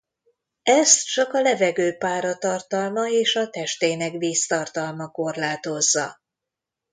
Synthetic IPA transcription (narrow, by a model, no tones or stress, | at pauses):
ɛst̪t͡ʃɒkɒlɛvɛɡøːpaːɾɒt̪ɒrt̪ɒlmɒeːʃɒt̪ɛʃt̪eːnɛkʋiːst̪ɒrt̪ɒlmɒko̞rlaːt̪o̞zːɒ̰